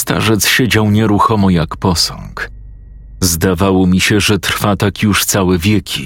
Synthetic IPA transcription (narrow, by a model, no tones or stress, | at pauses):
st̪a̰ʐɛt̪sɕed͡ʑawɲɛɾuxɔmɔjakpɔsɔ̰ŋk | zd̪avawɔmʲiɕɛʐɛt̪ɾfat̪akjuʂt̪sawɛvʲjɛkʲʰi